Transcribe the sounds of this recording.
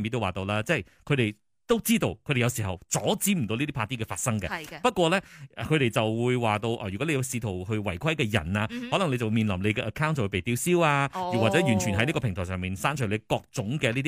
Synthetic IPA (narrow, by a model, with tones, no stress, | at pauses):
miː˨˥t̪o˥waː˨˩t̪o˧wlaː˥t͡sɛː˥˨j | kʰɵ˨˧ɥɾe˨j | t̪o˥wt͡siː˥t̪o˧wkʰɵ˨˧ɾe˨jwsiː˨˩ɦɐ̰˨˩wt͡sɔː˨˥t͡siː˨˥m̩˨˩t̪o˧wni˥i˥pʰaː˧˥t̪iː˥kɛː˧faː˧t̚sɐ˥ŋkɛ̰˧pɐ˥t̚kʷɔː˧lɛ˥ʔɛ̰˨˩kʰɵ˨˧ɾe˨jt͡sɐ˨wwuː˨˧jwaː˨t̪o˧wʔa̰˧˩ɥy˨˩kɔ˨˦˥le˧jɐ˧siː˧t̪ʰo˨˩whɵ˧ɥwɐ˨˩jkʰɐ˥jkɛː˧jɐ̰˨˩naː˧hɔ˨˥lɐ˨˩ne˧t͡sɐ˨wu˧miː˨nlɐ˨˩mle˨˧jkɛ˧ʔɐ˨˩kʰaː˥wnt̚sɐ˨wu˧pe˨jt̪iː˧wsiː˥waː˧i˨waː˨t͡sɛ˨˥jyː˨˩nt͡ʃʰyː˨˩nɦɐ˨˦jni˥kɔ˧pʰɪ˨˩ŋt̪ʰɔː˨˩sœː˨˩ŋpiː˨˩nsaː˥nt͡ʃʰɵ˨˩le˨˧jkɔː˧k̚t͡sʊ˨˥ŋkɛː˧li˥t̪i